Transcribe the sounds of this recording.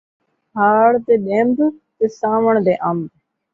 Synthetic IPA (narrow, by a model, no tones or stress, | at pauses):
ɦaːɽt̪eːɗẽːmd̪t̪eːsãːʋəɳd̪eːʔaːmb